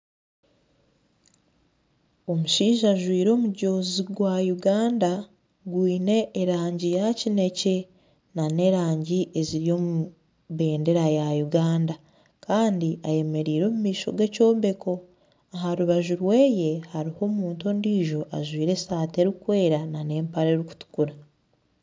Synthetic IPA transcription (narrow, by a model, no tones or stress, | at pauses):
o̞muʃiːʒaʒwiːɾo̞ːmuɟo̞ːziɡwajuɡaːnda | ɡwiːne̞ʔːɾaːɲɟijacine̞ce̞ | nane̞ɾaːɲɟiʔe̞ziɾijo̞mu | βe̞ːnde̞ɾajajuɡaːnda | kaːndiʔaje̞me̞ɾiːɾo̞ːmumiːʃo̞̰ɡe̞co̞ːmbe̞kʰo̞ | aɦaɾuβaʒuɾwe̞ːje̞haɾiho̞muːntondiːʒo̞ʔaʒwiːɾe̞saːte̞ɾikwe̞ːɾanane̞ːmpaɾeɾiku̥tu̥kuɾa